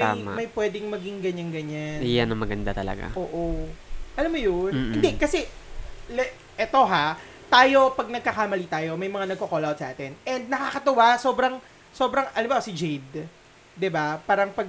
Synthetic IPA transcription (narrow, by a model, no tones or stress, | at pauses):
t̪ama̰mɐjpwɛːd̪ɪŋmɐɡɪŋɡɐɲaŋɡɐɲanɪjanɐŋmɐɡɐnd̪at̪ɐlɐ̰ɡa̰ʔoːʔoʔɐlamːojonhɪnd̪ɛkɐsɛlɛ | ʔɛt̪o̞ɦa | t̪aːjo̞pɐɡ̚nɐɡ̚kɐkamɐlit̪aːjo̞mɐjmɐŋanɐɡ̚kokoːlawt̪sɐʔaːt̪ɛnʔɛnd̪̚nɐkakɐt̪ɐwasoːbɾɐŋ | so̞ːbɾɐŋʔɐlɐmbaʔosɪd͡ʒejd̪ | d̪ɪbapaːɾɐŋpɐɡ̚